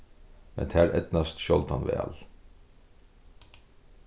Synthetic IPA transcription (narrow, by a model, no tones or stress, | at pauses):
mɛ̰nt̪ʰæːɹɛt̪nɑst̪ʃɔlt̪hɑnʋɛ̰ːl